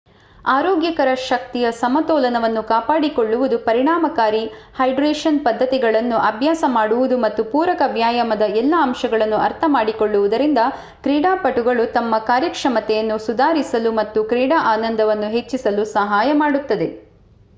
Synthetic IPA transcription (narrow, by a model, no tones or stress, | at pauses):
aːɾoːɡjɐkɐɾɐʃɐk̚t̪ijɐsɐmɐt̪ɔːlɐnɐʋɐnːukaːpaːɽikoɭːuʋud̪upɐɾiɳaːmɐkaːɾihɐjɖɾeːʂɐnpɐd̪ʱːɐt̪iɡɐɭɐnːuʔɐbʱjaːsɐmaːɽuʋud̪umɐt̪ːupuːɾɐkɐbʱjaːjɐmɐd̪ɐɛlːɐːmʃɐɡɐɭɐnːuɐɾt̪ʰɐmaːɽikoɭːuʋud̪ɐɾind̪ɐ | kɾiːɽaːpɐʈuɡɐɭut̪ɐmːɐkaːɾjɐkʂɐmɐt̪ɛjɐnːusud̪aːɾisɐlumɐt̪ːukɾiːɽaːʔaːnɐnd̪ʱɐʋɐnːuɦe̞t͡ʃːisɐlusɐɦaːjɐmaːɽut̪ːɐd̪e̞